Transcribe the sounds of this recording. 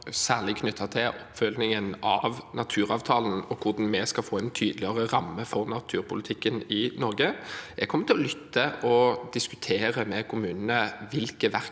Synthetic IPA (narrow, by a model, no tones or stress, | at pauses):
sæːʁlɪkʰnʏt̪ʰːɑt̪ʰɪlʔɔpːfœlnɪŋənɑʋnɑt̪ʰʉːɾɑːʋt̪ʰɑːln̩ɔkʰʊʁd̪ɑnmɛskɑlfoːɛnt̪ʰyːd̪əlɪəʁəʁɑmːəfɔʁnɑt̪ʰʉːɾpʰʊlɪt̪ʰɪkːənɪnɔʁɡəʔɛɡ̚kʰɔmːəɾt̪ʰɪlɔlʏt̪ːəʔɔd̪ɪskʉ̥t̪ʰeːʁəmɛkʰʊmʉːnənəʋɪlkəʋæʁ